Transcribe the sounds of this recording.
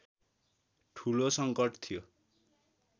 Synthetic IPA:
ʈʰulosʌŋkʌʈʰt̪ʰijo

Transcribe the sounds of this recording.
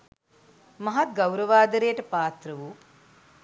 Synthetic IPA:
mɐɦɐt̪̚ɡɐwɾɐʋaːd̪ɐɾejəʈɐpaːt̪ɾɐʋu

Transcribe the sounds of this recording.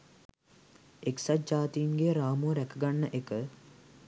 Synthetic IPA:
eksad͡ʒaːt̪iinɡeɾaːmuɾækəɡanːəʔekə

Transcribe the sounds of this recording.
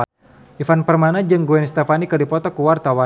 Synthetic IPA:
ʔifanpərmanad͡ʒɨŋɡuɛnst̪efanikɨdipɔt̪ɔkuwart̪awa

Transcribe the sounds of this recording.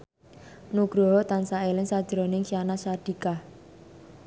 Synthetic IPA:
nuɡ̥ɾɔɦɔt̪ansaelɪŋsad̥ʒ̥ɾonɪŋsianasad̪̥ikah

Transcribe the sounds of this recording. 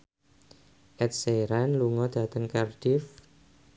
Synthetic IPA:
ʔɛt̪̚seɾanluŋɔd̪̥a̤t̪əŋkard̥if

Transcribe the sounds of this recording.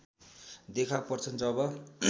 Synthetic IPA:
d̪ekʰapʌrt͡sʰʌnd͡zʌbʌ

